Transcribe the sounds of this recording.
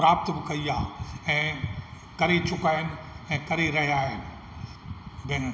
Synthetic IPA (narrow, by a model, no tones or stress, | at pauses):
ɾaːbt̪bɪkɐiaːɛ̃ː | kɐɾet͡ɕʊkaːɪnɪ̆ɛ̃ːkɐɾeɾɐɦijaːɦɪnɪ̆ | bɪ